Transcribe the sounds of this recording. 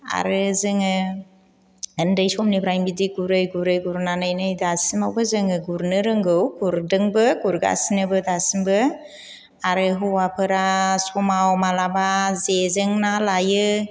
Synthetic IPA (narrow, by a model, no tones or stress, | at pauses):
a̰ɾɯzɯŋɯ | ɯndajsɔmnibɾajmbidiɡuɾɯjɡuɾɯjɡuɾnanɯjnɯjdasimawbɯzɯŋɯɡuɾnɯɾɯŋɡɯwɡuɾdɯŋbɯɡuɾɡa̰sinɯbɯdasimbɯ | aɾɯɦuwapʰɯɾasɔmawmalabazezɯŋnalajɯ